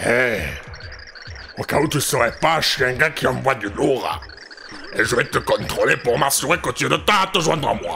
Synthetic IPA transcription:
ɛ | okaut̪ysəʁɛpaʃeɛ̃ŋɡakiɑ̃vwad̪yloʁa̰ | eʒəvɛt̪əkɔ̃t̪χolepuʁmasuʁekot̪yɛd̪ət̪ãt̪əʒwɛ̃nd̪ʁa̰mwa̰

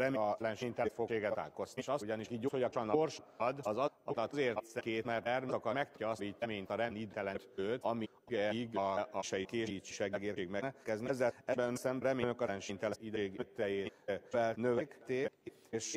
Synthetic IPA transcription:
ɾɛmlɛnʃiɲt̪ɛt̪fokeːɡɛt̪a̰ːlkost̪iʃɒsɟɒniʃiːhoɟɒkɑnorʃd̪ɒzɒɒt̪ɒt̪zeːrt̪sɛkeːt̪mɛrt̪ɛrmokɒmɛk̚t̪ɒsɾiːc̪ːɛmeːɲt̪ɒɾɛnid̪ɛlɛt̪øːt̪ɒmi | ɡɛɡʃɛjikeːi̥ʃɛɡɛɡeːreːɡmɛnɛkɛznɛzːɛɛbɛsɛmbɾɛmenøkɒɛnʃint̪ɛid̪ːɡt̪ːɛjeːfɛlnøvɛkt̪eːk | eʃ

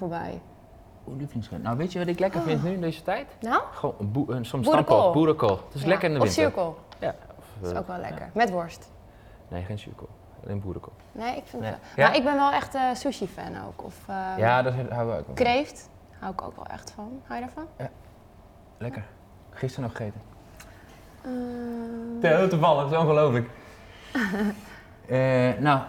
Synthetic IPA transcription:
foɹbɛ̰j | uliflɪŋskɛ̰ntnawʋetjəʋɔtɪklɛkərfɪntnyɪndeːzətɛjtnaxoːnbuəsɔmskolˠbuɾəkolˠtɪslɛkərɪndəɔɪfnsyɹkəlˠjaɔfo̰wkʋɛlˠlɛ̰kə̰ɹmɛtʋɔɹst | neːxeːnsy̰kə̰l̩̰ˠ | ḛːnbuəɾəkʰo̰lˠnejɪkfɪnaʔɪɡ̚bɪnʋɛlˠɛxtəsuʃifɛ̰no̰wkɔ̰fjaːdɔthawɛlˠɛ̰kɔ̰krejft | hawɪko̰ːkʋɛ̰lˠɛ̰xtfɔnhajdaɹfɔnja | lɛkəɹ | χɪstəɹnɔxejtə | ə | telˠtufɑlˠəxsonχəloːfələk | əna

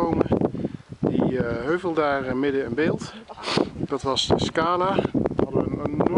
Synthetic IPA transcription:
owmə | diɦøɥvəlˠdaːrəmɪdəɛnbeːlˠt | d̥ɑtʋɑsəskaːlaɑdənn

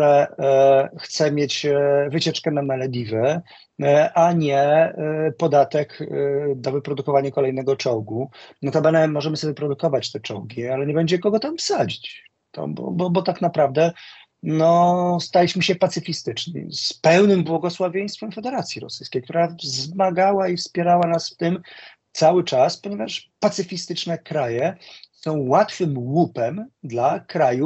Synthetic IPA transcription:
ɛ | xt̪sɛmʲjet͡ɕvɘt͡ɕɛt͡ʂkɛnamɛlɛd̪ʲivɘ | ʔaɲɛ | pɔd̪at̪ɛkd̪ɔvɘpɾɔd̪ukɔvaɲakɔlɛjnɛɡɔt͡ʂɔwɡunɔt̪ɔbɛnɛmɔʐɛmɘsɔvʲɛpɾɔd̪ukɔvat͡ɕt̪ɛt͡ʂɔwɡʲialɛɲɛbɛɲd͡ʑɛkɔɡɔt̪amfsad͡ʑit͡ɕ | t̪ɔ̰bɔ̰bɔbɔt̪aknapɾavd̪ɛ | nɔst̪alʲiɕmɘɕɛpat̪sɘfʲist̪ɘt͡ʂɲḭspɛwnɘmbwɔɡɔswavʲjej̃st̪fɛmfɛd̪ɛɾat̪sʲjiɾɔ̰sɘjskʲejkt̪uɾazmaɡawaifspʲjɛɾawanasft̪ɘm | t̪sawɘt͡ʂaspɔɲɛvaʂpat̪sɘfʲist̪ɘt͡ʂnɛkɾajɛsɔ̃w̃wat̪fɘmwupɛmd̪lakɾaju

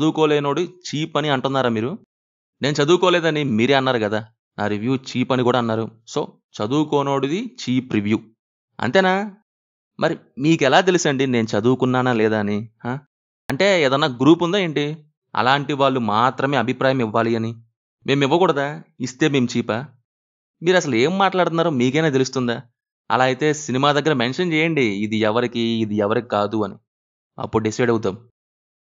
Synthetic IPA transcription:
t͡ʃɐd̪uːkoːlɛːno̞ːɽiit͡ʃiːpɐniɐɳʈunːaːɾaːmiːɾu | neːnut͡ʃɐd̪uːkɔːlɛːd̪ɐnimiːɾeːɐnːaːɾuɡɐd̪aː | naːɾiʋjuːt͡ʃiːpɐnikuːɽaːnːaːɾuso̞̰ː | t͡ʃɐd̪uːkɔːno̞ːɽid̪it͡ʃiːpɾiʋjuː | ɐ̰nt̪eːnaː | mʔɐɾi | miːkɛlaːt̪̬elisɐɳɖine̞ːnut͡ʃɐd̪uːkunːaːnalɛːd̪aːnihaː | ɐɳʈe̞ːeːd̪ɐnːaːɡɾuːpund̪aːjeːɳʈi | ɐ̰laːɳʈiʋaːɭːumaːt̪ɾɐme̞ːɐbʱipɾaːjɐmiʋːaːliɐni | mʔe̞ːmiʋːɐkuːɽɐd̪aːist̪e̞ːme̞ːmut͡ʃiːpa | miːɾɐsɐlue̞ːmːaːʈlaːɽt̪unːaːɾoːmiːkɛjnaːt̪e̞lus̬t̪und̪aː | ɐ̰laːjit̪e̞ːsinimaːd̪ɐɡːɐɾɐmenʂɐnt͡ʃɛːjɐɳɖiːd̪iɛʋɐɾikiːd̪iɛʋɐɾikikaːd̪uɐni | ɐ̰pːuɽuɖisɐjɖɐwt̪̬aːmu

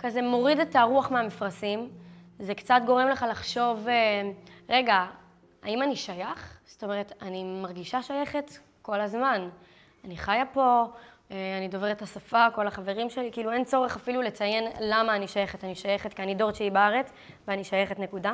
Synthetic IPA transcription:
kazemo̞ʁidetaʁuaχmeamifʁasim | zekt͡satɡo̞ʁemleχalaχʃo̞veʁe̞ɡa | a̰imaniʃajaχz̥o̥to̞me̞ʁ̞etanimaʁɡiʃaʃaje̞χet | ko̞lazman | aniχajapo̞ | eanido̞veʁetasafako̞laχave̞ʁimʃe̞likiiːluent͡so̞ʁeχafilule̞t͡saje̞nlamaːniʃajeχetaniʃaje̞χetkianido̞ʁʃeibaʁet͡s | veaniʃajeχetne̞kuda

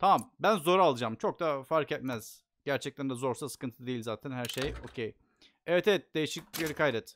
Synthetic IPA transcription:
t̪ʰamambænzo̞ɾalˠɯd͡ʒamt͡ʃʰo̞k̚d̪afaɾkɛt̪̚mæz̥ | ɟ̥æɾt͡ʃʰɛc̚t̪ʰænd̪ɛzo̞ɾsasɯ̥kɯnt̪ʰɯd̪ejilʲzaːt̪ʰænhæɾʃejo̞̰cʰej | evet̪ʰet̪̚d̪̥e̞jiʃic̚jeɾʲikʰajɾɛt̪

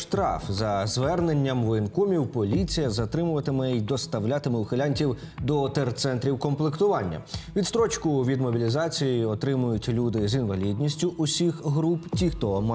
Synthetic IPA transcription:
ʃt̪ɾɑ̰fzɐzʋɛrne̞nʲːɐmʋɔɪnkumʲiwpɔlʲit͡sʲijɐzɐt̪ɾɪmʊʋɐt̪ɪmɛid̪ɔst̪ɐwlʲat̪ɪmɛʊxelʲanʲtʲiw | d̪ɔt̪ert̪sɛnt̪ɾʲiwkɔmplˠɪkt̪ʊʋɑnʲːɐ̰ʋʲit̪st̪ɾɔt͡ʃkʊʋʲid̪mɔbʲilʲizɑt͡sʲijiɔt̪ɾɪmʊjʊtʲlʲud̪ɪzinʋɐlʲid̪ʲnʲisʲtʲʊʔʊsʲixɦɾuptʲixt̪ɔm

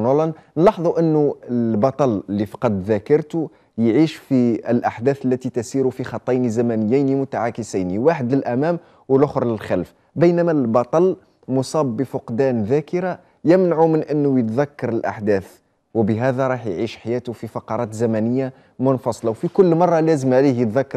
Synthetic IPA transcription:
nɑlɑnnlɑħðˤuʔənːʊəlbɑt̪ˤɑləlːifɑ̥qɑd̪ðækɑɾˤt̪u | jʕiːʃfiəlʔaħd̪æːθəlːæt̪it̪æsiɾufixɑt̪ˤːɑjnizæmænəjːajnimʊt̪aʕakəsajniwaħəd̪ləlʔæmæm | wəlʔʊxɾˤləlxælf | bəjnæmælbɑt̪ˤɑl | mʊsˤɑːbːəfʊqd̪ænðækəɾa | jəmnaʕumənʔənːʊjət̪ðækːɑɾˤəlʔa̰ħd̪æːθ | wəbəɦæd̪æɾˤɑːħjʕiʃħajæt̪ʊfifɑqɑɾˤɑt̪zæmænəjːa | mʊnfɑsˤlɑwfikʊlːmɑrˤːɑlæzəmʕalihjət̪ðækːɑɾ

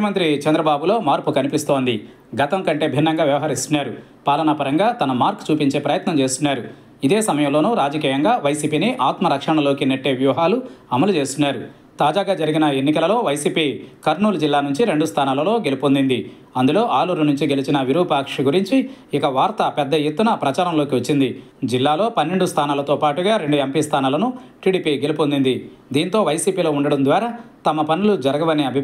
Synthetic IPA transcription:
ɐmɐnt̪ɾit͡ʃɐnd̪ɾɐbaːbulo̞ːmaːɾpukɐnipist̪o̞ːnd̪i | ɡɐt̪ɐŋkɐɳʈe̞ːbʱinːɐŋɡaːʋjɐʋɐɦɐɾist̪unːaːɾu | paːlɐnɐpɐɾɐŋɡaːt̪ɐnɐmaːɾkt͡ʃuːpiɲt͡ʃe̞ːpɾɐjɐt̪nɐmt͡ʃe̞ːst̪unːaːɾu | id̪e̞ːsɐmɐjɐmlo̞ːnuːɾaːd͡ʒɐkiːjɐŋɡaːʋɐjsiːpiːniʔaːt̪mɐɾɐkʂɐɳɐlo̞ːkinɐʈːe̞ːʋjuːɐɦaːluɐmɐlut͡ʃe̞ːst̪unːaːɾu | t̪aːd͡ʒaːɡaːd͡ʒɐɾiɡinɐe̞nːikɐlɐlo̞ːʋɐjsiːpiːkɐɾɳuːlɐd͡ʒilːaːnuɲt͡ʃiɾe̞ɳɖust̪ʰaːnaːlɐlo̞ːɡe̞lipond̪ind̪i | ɐnd̪ulo̞ːʔaːluɾɐnuɲt͡ʃiɡe̞lit͡ʃinɐʋiɾuːpaːkʂɐɡuɾiɲt͡ʃiikɐʋaːɾt̪ɐpɛd̪ːɐjet̪ːunɐpɾɐt͡ʃaːɾɐmlo̞ːkiʋɐt͡ʃːind̪i | d͡ʒilːaːlo̞ːpɐnːeɳɖust̪ʰaːnaːlɐt̪o̞ːpaːʈuɡaːɾe̞ɳɖuempist̪ʰaːnaːlɐnuʈiːɽiːpiɡe̞lipond̪ind̪id̪iːnt̪o̞ːʋɐjsiːpiːlo̞ːuɳɖɐɽɐnd̪ʋaːɾɐt̪ɐmɐpɐnulud͡ʒɐɾɐɡɐʋɐniɐbʱi

